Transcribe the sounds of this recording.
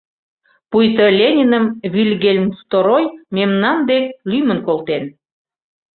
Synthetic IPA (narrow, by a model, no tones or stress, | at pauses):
pujt̪əlʲenʲinəmβilʲɣelʲmst̪oɾojmemnɑnd̪elʲymənkolt̪en